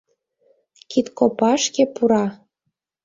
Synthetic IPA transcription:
kit̪kopɑʃkepuɾɑ

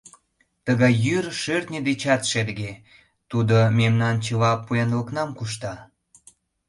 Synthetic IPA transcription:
t̪əɣɑjːyrʃørt̪nʲed̪et͡ɕɑt̪ʃeɾɡe | t̪ud̪omemnɑnt͡ɕəβɑpːujɑnləknɑmkuʃ̬t̪ɑ

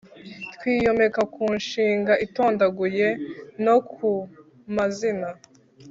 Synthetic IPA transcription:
twiːjo̞me̞kakuːnʃiːŋɡaʔito̞ːndaɡuje̞no̞kʰu | mazina

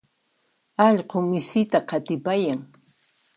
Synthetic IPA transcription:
ɑʎqomɪsɪt̪aqɑt̪ɪpajaŋ

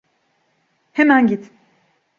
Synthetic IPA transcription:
hɛmænɟit̪

